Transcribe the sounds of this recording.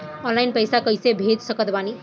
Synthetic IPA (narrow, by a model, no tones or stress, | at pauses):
ɔnlajnpəjsakʌjsebʱed͡ʒsʌkʌt̪bani